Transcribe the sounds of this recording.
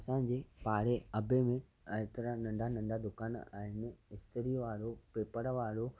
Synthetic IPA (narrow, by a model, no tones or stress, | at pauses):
ɐsã̆ːd͡ʑeːpaːɽeɐbemẽ | ɐɦɪt̪əɾanɐ̃ɳɖʱanɐ̃ɳɖad̪ʊkaːna̰ːɦɪnɪ̆ɪst̪ʰəɾiʋaːɽopeːpəɽʋaːɽo